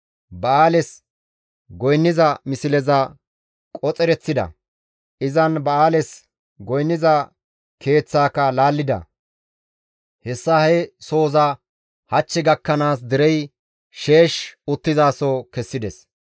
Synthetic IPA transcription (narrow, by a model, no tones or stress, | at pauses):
bɐaːlɛs | ɡɔjnːɪzɐmɪsɪlɛzɐ | kʼɔt͡sʼɛɾɛt͡sːɪd̪ɐ̰ | ɪzɐnbɐaːlɛs | ɡɔjnːɪzɐ | kʰe̞ːt͡sːaːkɐlaːlːɪd̪ɐ̰ | hɛsːɐhɛso̞ːzɐ | hɐt͡ʃːɪɡɐkːɐnaːs̬d̪ɪɾɛj | ʃe̞ːʃʊt̪ːɪzaːsɔkɛsːɪd̪ɛs